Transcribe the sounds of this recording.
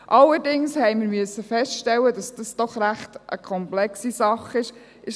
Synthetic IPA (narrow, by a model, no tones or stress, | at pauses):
ʔɑlːəɾdɪŋshɛɪməɾmyəsːəfɛstʃtɛlːədɑsd̥ɑsd̥ɔχɾæχtʔəkʰɔmplɛksisɑχɪʃ | ɪʃ